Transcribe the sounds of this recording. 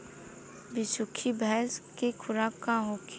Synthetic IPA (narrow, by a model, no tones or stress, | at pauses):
bɪsʊkʰibɛɦskekʰʊɾaːkaɦok